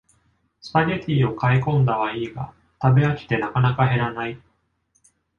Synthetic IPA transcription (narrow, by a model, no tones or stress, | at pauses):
sɨ̥paɡet̪ʲiːo̞kaikõ̞nd̪aβaiːɡa̰ | t̪abe̞akʲi̥t̪e̞nakanakaɦe̞ɾanai